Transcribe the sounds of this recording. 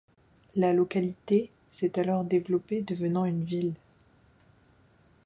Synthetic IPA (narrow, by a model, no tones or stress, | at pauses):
lalɔkalit̪e | sɛt̪alɔʁd̪evlɔped̪əvənɑ̃ynvil